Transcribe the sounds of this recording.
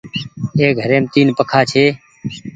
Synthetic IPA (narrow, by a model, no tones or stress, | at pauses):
eːɡʱəɾeːmt̪iːnpəkʰaːt͡ʃʰeː